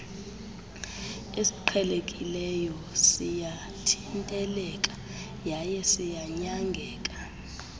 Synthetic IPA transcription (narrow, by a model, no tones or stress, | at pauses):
esi̥ǃʰɛlekʼilɛjɔ | sija | tʰintʼɛlɛkʼḁ | jajɛsijaɲaŋɡʱɛːkʼḁ